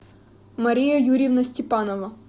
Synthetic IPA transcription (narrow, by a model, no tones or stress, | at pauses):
mɐɾʲijɐjuɾʲɪʋnɐsʲtʲɪpɑnɔʋɐ